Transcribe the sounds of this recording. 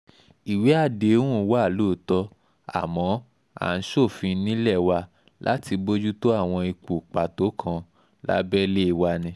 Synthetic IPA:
i˨we˨˦a˦˨de˨˦ũ˦˨˦wa˦˨lo˦˨tɔ˦ | a̰˨mɔ̃˨˦ | a̰˦˨n̩˨˦ʃo˦˨fĩ˧nĩ˦lɛ˦˨wa˧ | lʔa̰˦ti˧bo˦d͡ʒu˦to˦a˦˨w̃ɔ̃˧i˧k͡pu˨k͡pa˨to˨˦kʰã˧ | la̰˦bɛ˦le˦i˦˨wa˧nĩ˧˦

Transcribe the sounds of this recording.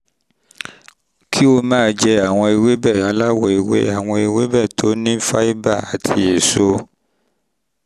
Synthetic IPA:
kʰi˦o˧mãː˦˧d͡ʒɛ˧a˨w̃ɔ̃˧e˨we˦bɛ˦˨a˨˦la˦wɔ˨e˨wḛ˦a˨w̃ɔ̃˧e˨we˦bɛ˦˨tʰo˨˦nĩ˦fa˦i˦ba˦˨a˨tʰi˧˦je˨so˧

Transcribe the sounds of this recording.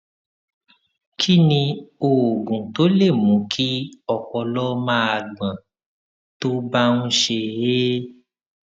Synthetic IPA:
kʰi˦nĩ˧o˨ɡũ˨to˨˦le˦˨mũ˨˦kʰi˦ɔ˨k͡pɔ˧lɔ˦mãː˦a˧˨ɡ͡bã˨ | to˦ba˦nũ˦ʃe˧e˦

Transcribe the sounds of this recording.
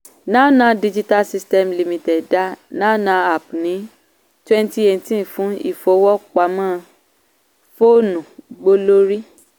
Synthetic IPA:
nãː˦˨nã˧˦di˦˧d͡ʒi˦ta˧lsi˧stɛ˧mli˧mĩ˧tɛ˨da˨˦nãː˦nã˧˦a˨pnĩ˨˦ | twɛ˦nti˦e˧tĩ˦˨fũ˨˦ḭ˦˨fo˨˦wɔ˦k͡pa˨˦mãː˦˨ | fo˦˨nũ˨ɡ͡bo˧lo˦ɾi˦

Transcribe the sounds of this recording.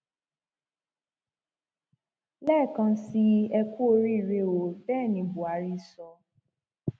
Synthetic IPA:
lɛː˦˨kã˧si˧˦ɛ˧ku˦o˧ɾi˦i˦˨ɾe˧˦o˨bɛː˦˨nĩ˨˧bu˨a˨˦ɾi˦˨sɔ˧

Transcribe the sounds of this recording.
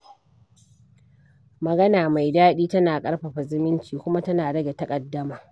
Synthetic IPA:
mɐ˨ɡɐ˦naː˨ma˨jdaː˦ɗiː˦tɐ˦naː˨kʼɐ˦ɽɸa˨ɸa˨zɪ˦mɪ˦nt͡ʃiː˨kʷʊ˦ma˦tɐ˦naː˨dɐ˦ɡʲe˨tɐ˦kʼɐ˨dːɐ˦maː˨

